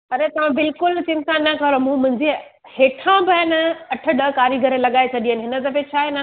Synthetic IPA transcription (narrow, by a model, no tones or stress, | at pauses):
ɐɾet̪ɐʋ̤ãbɪlkʊlt͡ɕɪ̃nt̪ãnːɐkɐɾomũmʊ̃ɦɪ̃ɲd͡ʑi | heːʈʰãbɐɪnɐʈʰə̆ɗɐkaːɾiɡʱɐɾelɐɠaːet͡ɕʰɐʄĩɦənɪɦɪnə̆t̪̬ɐbet͡ɕʰaːɦenə